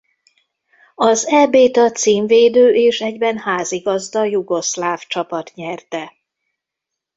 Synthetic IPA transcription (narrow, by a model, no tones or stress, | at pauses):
ɒzɛbeːt̪ɒt̪siːɱveːd̪øːʔeːʃɛɟbɛnhaːziɡɒzd̪ɒjuɡo̞slaːft͡ʃɒpɒt̪ɲɛrt̪ɛ